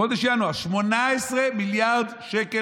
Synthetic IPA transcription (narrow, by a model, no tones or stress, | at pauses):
od̪eʃjanoaʃmonaesʁemiljaʁd̪ʃeke